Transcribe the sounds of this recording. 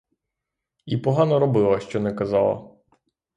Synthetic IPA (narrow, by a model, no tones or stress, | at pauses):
ipɔɦɑnɔɾɔbɪlˠɐʃt͡ʃɔnɛkɐzɑlˠɐ̰